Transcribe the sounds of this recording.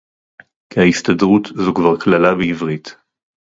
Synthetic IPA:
kehaistadʁutzukvaʁklalabeivʁit

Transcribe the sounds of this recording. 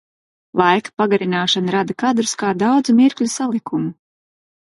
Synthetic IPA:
lˠajkḁpaɡaɾinaːʃanaɾad̪akad̪ɾuskaːd̪awd̪zumiɾkʎʲusalˠikumu

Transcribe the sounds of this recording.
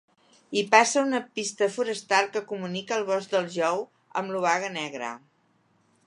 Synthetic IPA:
ipasəunəpist̪əfuɾəst̪alˠkəkumunikəːlˠβ̞ɔzd̪əlˠʒɔw | ə̰mluβaɣənɛɣɾə̰

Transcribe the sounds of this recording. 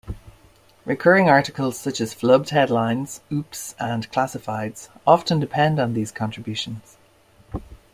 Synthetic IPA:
ɹɪkʰɜːɹɪ̃ŋaɹɾɪkəlˠz̥sʌt͡ʃəz̥flʌb̚d̥hɛdlãɪ̃nz̥ʉpsə̃nkʰl̥asɪfaɪdz̥ɒftə̃ndɪpʰɛ̃ndn̩ðiːz̥kʰɑ̃ntɹ̥ɪbjʉˑʃə̃nz̥

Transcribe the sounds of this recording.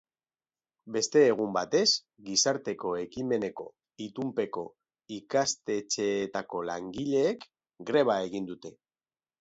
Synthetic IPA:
be̞st̪e̞ːɣ̞umbat̪e̞s | ɡisaɾt̪e̞ko̞ekime̞ne̞ko̞̰ | it̪umpe̞ko̞ | ikast̪e̞t͡ʃe̞ːt̪ako̞la̰ŋɡiʎe̞ːk | ɡɾe̞β̞ae̞ɣ̞ind̪ut̪e̞

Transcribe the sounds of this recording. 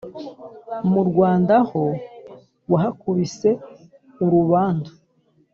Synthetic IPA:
muɾɡwaːndaho | waɦakuβise̞ | uɾuβaːnda

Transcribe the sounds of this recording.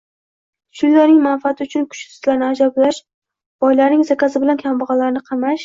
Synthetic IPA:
ʃʰʊjlaɾnɪŋmanfiat̪ʰɪʊt͡ʃʰʊnkʰʊ̥ʃsɪ̥t̪laɾnɪad͡ʒablaʃ | b̥ɒjlaɾnɪŋzakʲʰasɪbɪlankʲʰambɑʁɑlaɾnɪqʰɑmaʃ

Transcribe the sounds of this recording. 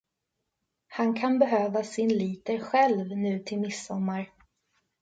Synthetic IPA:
hankʰanbɛɦøːvasɪnliːt̪əɾɧɛlvnʉ̟ːt̪ʰɪlmɪsːɔmːaɾ

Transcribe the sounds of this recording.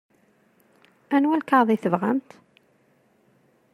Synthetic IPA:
ænwælkɑðˤiθəvʁæ̰nt̪

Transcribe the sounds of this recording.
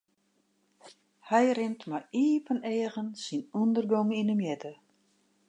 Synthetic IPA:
hɛjrɪntmaiːvəneːɣənsinundərɡɔŋinəmjɛtə

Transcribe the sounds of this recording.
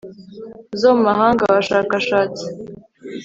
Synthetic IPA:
zomaɦaːŋɡaβaʃaːkaʃaːt͡si̥

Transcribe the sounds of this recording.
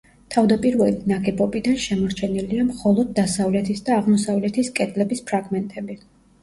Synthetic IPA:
t̪ʰavd̪apʼiɾvɛlinaɡɛbɔbid̪anʃɛmɔɾt͡ʃʰɛniliamχɔlˠɔd̪̚ːasavlɛt̪ʰisd̪aːʁmɔsavlɛt̪ʰiskʼɛd̪lɛbispʰɾaɡmɛnt̪ʼɛbi

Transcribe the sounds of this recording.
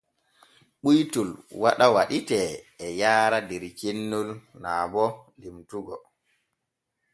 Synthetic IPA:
ɓujtulwaɗawaɗitɛːjaːɾadɛɾt͡ʃenːulnaːbɔlimtuɡɔ

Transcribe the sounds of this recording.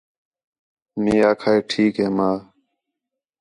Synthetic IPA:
miːaːkʰaːeːʈʰiːkɦeːmaː

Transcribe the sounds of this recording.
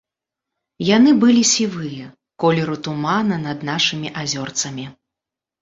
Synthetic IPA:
janɨbɨlʲisʲivɨjɛ | kɔlʲɛɾut̪umanɐnɐd̪naʂɨmʲiʔazʲɔrt̪sɐmʲi

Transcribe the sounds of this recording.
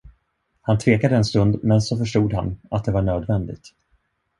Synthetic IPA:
hant̪ʰveːkad̪əɛnst̪ɵnd̪mɛnsɔfœʂʈuːd̪ha̰nat̪̚d̪ɛvaɳøːd̪vɛnd̪ɪ̰ɡt̪

